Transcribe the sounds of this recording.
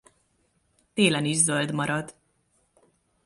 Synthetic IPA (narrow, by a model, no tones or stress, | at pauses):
t̪eːlɛniʒzøld̪mɒɾɒd̪